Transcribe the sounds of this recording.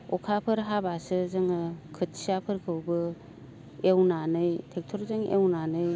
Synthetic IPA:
ɔkʰapʰɯɾɦabasɯzɯŋɯkʰɯt̚sijapʰɯɾkʰɯwbɯ | ewnanɯjtʰek̚tʰɔɾzɯŋʔḛwnanɯj

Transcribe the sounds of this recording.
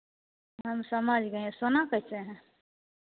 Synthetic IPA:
ɦəmsəmad͡ʒɡə̃sonakəjt͡ʃeɦɛ̃

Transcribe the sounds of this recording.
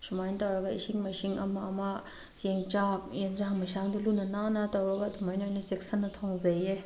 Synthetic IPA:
sumajntawɾɐɡɐḭsiŋmɐisiŋɐmaːma | seŋt͡ʃak̚jend͡ʒaŋmɐsaŋdulunɐnanatɐwɾɐɡɐːdumajnojnɐseksɐnːɐtʰoŋzɐje

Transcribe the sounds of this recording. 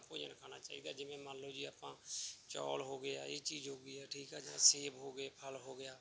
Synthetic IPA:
po̰ːd͡ʒənkʰaːna̰ːt͡ʃa̰ːḭːd̪aːd͡ʒɪmẽmãːnloːd͡ʒiːaːpãːt͡ʃɔ̰ːlɦoːɡəja̰ːjeːt͡ʃiːzɦoːɡiːɛːʈʰiːkɦɛd͡ʒãːseːbɦoːɡəepʰəlɦoːɡɪjaː

